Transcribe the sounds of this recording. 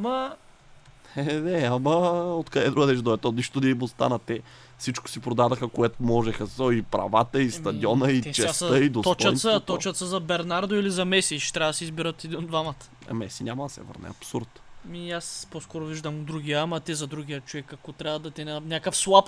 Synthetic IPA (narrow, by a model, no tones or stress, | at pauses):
mɐ | ɛnɛɐmɐot̪kɐd̪ɛd̪ɾuɡəd̪ɛʃd̪oɛt̪ɔniʃt̪od̪ɐimost̪a̰nɐt̪ɛ | fsit͡ʃko̥sipɾod̪ad̪ɐxəkoɛt̪omɔʒɛxəɔipɾɐ̰vat̪əist̪ɐd̪iɔnəit͡ʃɛsəid̪osɔt͡ʃɐsɐt̪ɔt͡ʃɐt̪səzɐbɛɾnaɾd̪ʊilizɐmɛsiʃt̪ɾʲavɐd̪siizbiɾət̪id̪inod̪vamət̪ə̥ɐ̰mɛsinʲamɐd̪ɐsɛ̰və̰ɾnɛ̰ɐ̰psuɾt̪miasposkɔɾʊviʒd̪ɐmd̪ɾuɡʲiəamɐt̪ɛzɐd̪ɾuɡʲijət͡ʃovɛkːɐkɔt̪ɾʲavɐd̪ɐt̪ɛnanʲakəfslˠap